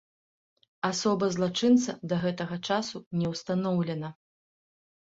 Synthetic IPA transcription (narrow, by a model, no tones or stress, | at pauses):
asɔbɐzlˠat͡ʂɨnt̪sɐd̪ɐɣɛt̪ɐɣɐt͡ʂasunʲɛwst̪anɔwlʲɛnɐ